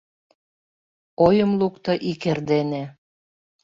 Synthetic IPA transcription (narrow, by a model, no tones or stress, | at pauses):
ojə̆mlukt̪ɤʔikerd̪ene